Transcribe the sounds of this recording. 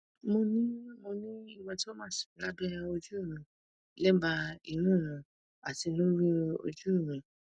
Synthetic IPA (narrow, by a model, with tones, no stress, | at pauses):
mo˧nĩ˦mo˧nĩ˦i˦˨wɔ̃˧ti˦o˦mã˦˨si̥˨ĩ˨˦la˦dɛ˦a˧o˧d͡ʒu˦˨ɾ̃ũ˨˦ | lɛ˦ba˧i˧nũ˦˨ɾ̃ã˨ | a˨ti˧lo˦ɾĩ˦o̰˧d͡ʒu˦˨ɾ̃ũ˨